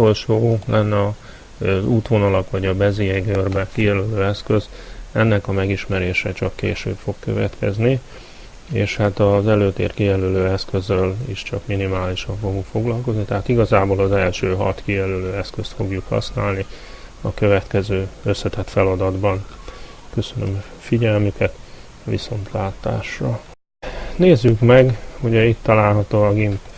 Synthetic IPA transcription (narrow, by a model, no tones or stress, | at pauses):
uolʃoːlʔɛnːɛɒ | zuːt̪ʋo̞nɒlɒkʋɒɟɒbɛzijɛɡørbɛkijɛløløːɛskø̞z | ɛnːɛkɒmɛɡiʃmɛɾeːʃɛt͡ʃɒkːḛːʃø̰ːpfo̞kkø̰vɛ̰t̪kɛ̰zni | ḛːʃhat̪ɒzɛløːt̪ḛːrkijɛløløːɛskø̞zølḭʃt͡ʃɒkminimaːliʃɒɱfo̞ɡuŋkfo̞ɡlɒlko̞znit̪ɛɦaːt̪iɡɒzaːboːlɒzɛlʃøːɦɒ̰t̪kijɛlyløːɛskøst̪fo̞ɡjukhɒ̰snaːlniɒkø̞vɛt̪kɛzøːø̞sːɛt̪ɛt̪fɛlɒd̪ɒd̪bɒn | kø̞sø̞nø̰m | fiɟɛlmykʰɛt̪ | vḭso̞nt̪ʰlaːt̪a̰ːʃrɒ | neːzːykmɛɡuɟɛit̪ːɒlaːlɦɒt̪oːɒɡimp